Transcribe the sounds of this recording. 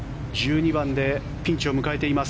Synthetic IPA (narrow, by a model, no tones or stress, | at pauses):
d͡ʑɨːɲ̟ibãnd̪e̞ | pʲĩɲ̟t͡ɕio̞mɯ̟kae̞t̪e̞imas